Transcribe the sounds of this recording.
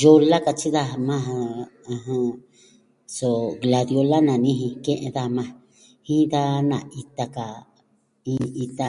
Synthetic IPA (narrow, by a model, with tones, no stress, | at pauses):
jo˧la˦ka˧t͡ʃi˦ða˦˧mã˦ɦa˧ã˧ɦã˧ | so˧˨ɡla˧ðjo˧la˦nã˨nĩ˦ɦĩ˧kẽ˦ʔḛ̃˧ða˦˧mã˧ | hĩ˦d̪a˦nã˨i˧t̪a˧ka˨ | ĩ˦i˧t̪a˧